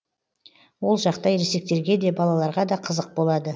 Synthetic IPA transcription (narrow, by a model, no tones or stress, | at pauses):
wo̞lˠʒɑqt̪ɑjɾese̞k̚t̪eɾɡʲe̞d̪e̞bɑlˠɑlˠɑɾʁɑd̪ɑqʰəzəq̚bo̞lˠɑd̪ə